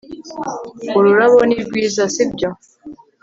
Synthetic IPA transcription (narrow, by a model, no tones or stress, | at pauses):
oɾuɾaβoniɾɡwiːzasibɟo